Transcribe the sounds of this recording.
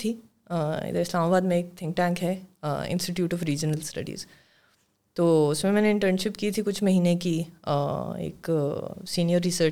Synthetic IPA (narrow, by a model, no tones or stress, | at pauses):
t̪ʰiː | ɪ̰d̪əɪslaːmaːbaːd̪mẽeːk̚t̪ʰɪ̃ŋk̚ʈɛ̃ːŋkɦɛɪ̰̃nsʈiʈjuːʈɔːfɾiːd͡ʒənəlsʈɐ̰ɖḭːz | t̪oːʊsmẽmɛːneɪ̃ɳʈəɾnʃɪpkiːt̪ʰikʊt͡ʃʰmɐɦiːneki | ḛːksiːnijəɾːɪsəɾ